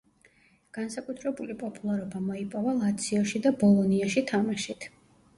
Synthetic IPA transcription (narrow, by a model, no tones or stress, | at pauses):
ɡ̥ansakʼut̪ʰɾɛbulipʼɔpʼulˠaɾɔbamɔipʼɔvalˠat̪sʰiɔʃid̪abɔlˠɔniaʃit̪ʰamaʃit̪ʰ